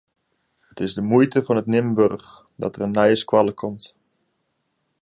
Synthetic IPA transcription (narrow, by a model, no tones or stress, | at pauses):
ətɪzdəmujtəvɔnətnɪmbørx | dɔ̰tərənːɛjəskwalˠəkʰɔmt